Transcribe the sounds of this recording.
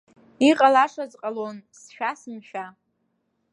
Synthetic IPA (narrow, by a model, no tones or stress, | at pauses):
iqʼalaʂazqʼalonsʃᶣasɨmʃᶣa